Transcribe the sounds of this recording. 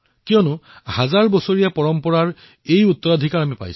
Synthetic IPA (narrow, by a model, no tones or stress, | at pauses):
kijɔnʊhazaɹbɔsoɹijapɔɹɔmpɔɹaɹ | ejut̪ːɔɹadʱikaɹamipa̰js